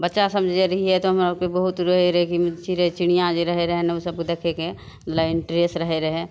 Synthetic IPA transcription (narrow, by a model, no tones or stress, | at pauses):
bɐtːʃasɐmd͡ʒeɾɐɦiɦɛt̪oɦɐmakebɐɦʊt̪ɾɐɦeɾɐɦekimt͡ʃiɾeet͡ʃɪɽ̃ijãd͡ʒeɾɐɦeɾɐɦenɐʊsɐb̚kd̪ekʰeke | mɐt̪ləbɪ̃ɳʈɾeːsɾɐɦeɾɐɦẽ